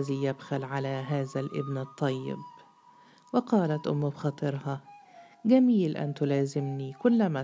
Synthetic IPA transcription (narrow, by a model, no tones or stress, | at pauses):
azijabxalʕalaɦaːzalʔɪ̰bnɨt̪ˤːɑjːɪ̰b | wɪqɑːlat̪ʔʊ̰mːʊbxɑːt̪ˤɨɾhɑ | ɡamiːlʔa̰nt̪ʊlaːzɪmnikʊlːama